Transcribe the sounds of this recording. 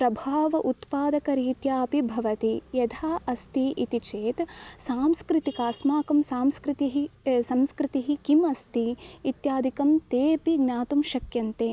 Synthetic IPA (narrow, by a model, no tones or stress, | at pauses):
pɾɐbʱaːʋɐʔut̪paːd̪ɐkɐɾiːt̪jaːpibʱɐʋɐt̪ijɐd̪ʱʰaːʔɐst̪iʔit̪it͡ʃeːt̪saːmskɾɪt̪ikaːsmaːkɐmsaːmskɾɪt̪iɦisɐmskɾɪt̪iɦikimɐst̪iːt̪jaːd̪ʱikɐmt̪eːpiɡnaːt̪umʃɐkjɐnt̪eː